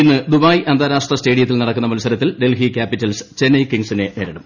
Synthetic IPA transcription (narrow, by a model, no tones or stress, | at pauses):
inːɨd̪ubaːjiʔɐnd̪aːɾaːʂʈrɐste̞ːɽijɐt̪̬ːilnɐɽɐkːunːɐmɐlusɐɾɐt̪ːilɖe̞lɦikʲaːpitːɐlst͡ɕe̞nːɐjkiŋsineneːɾɐɽɐm